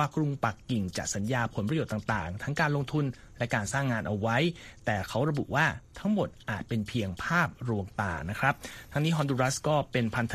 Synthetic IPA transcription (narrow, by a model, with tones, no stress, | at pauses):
aː˥˩kɾu˧ŋpa˨˩kːi˨˩ŋt͡ɕa̰˨˩sa˩˦njaː˧pʰo˩˦np̬ɾa˧jo˨˩t̪ːa˨˩ŋt̪aː˨˩ŋt̪ʰa˦˥ŋkaː˧nlo˧ŋt̪ʰu˧n | lɛ˦˥kaː˧nsaː˥˩ŋːaː˧nʔa˧wwa˦˥jt̪ɛː˨˩kʰa˦˥wɾa˧bṵ˨˩ʔwaː˥˩t̪ʰa˦˥ŋmo˨˩t̪̚ʔaː˨˩t̪̚pe˧npʰi˧əŋpʰaː˥˩p̚ɾu˧əŋt̪aː˨˩na˦˥kʰɾa˦˥p̚t̪ʰa˦˥ŋniː˦˥ɦɔ˧ndu˧ɾa˦˥skɔː˥˩pe˧npʰa˧nt̪ʰ